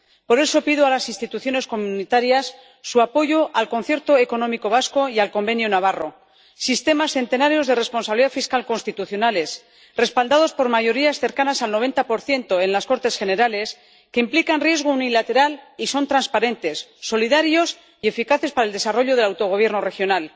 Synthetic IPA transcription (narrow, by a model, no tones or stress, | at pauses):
po̞ɾe̞so̞piðoalasinst̪it̪uθjo̞ne̞sko̞mũnit̪aɾjasː | uapo̞ʝo̞ʔalko̞nθje̞ɾt̪o̞eko̞no̞miko̞β̞asko̞ialko̞mbe̞njonaβ̞aro̞ | sist̪e̞masθe̞nt̪e̞naɾjo̞zðe̞re̞spo̞nsaβliðafiskalko̞nst̪it̪uθjo̞nale̞s | re̞spald̪að̞o̞spo̞ɾmaʝo̞ɾiasθe̞ɾkanasalnoe̞nt̪apo̞ɾθje̞nt̪o̞e̞nlasko̞ɾt̪e̞sxe̞ne̞ɾale̞s | ke̞implikanrje̞zɣ̞ounilat̪e̞ɾaliso̞nt̪ɾanspaɾe̞nt̪e̞sːo̞liðaɾjo̞s | ie̞fikaθe̞spaɾaeld̪esaro̞ʎo̞ð̞e̞lawt̪o̞ɣ̞o̞β̞je̞ɾno̞re̞xjo̞nal